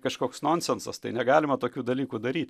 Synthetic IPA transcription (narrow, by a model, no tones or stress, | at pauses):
kɐʃkoːksnoːnʲsʲɛnsɐst̪ɐɪnʲɛɡɑːlʲɪmɐt̪oːkʲuːd̪ɐlʲiːkuːd̪ɐɾʲiːt̪ʲ